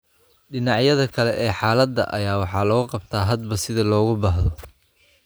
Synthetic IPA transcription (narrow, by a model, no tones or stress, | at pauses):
ɖɪnɑʕjɐðɐkʰɐlɛʔɛːħɑːlɐd̪ːɐ̰ʔɐ̰jaːwɑħɑːlɐɣʊqɑbt̪ʰaːɦɐd̪bɐsɪðɐlɔːɣʊbɑːɦðɔ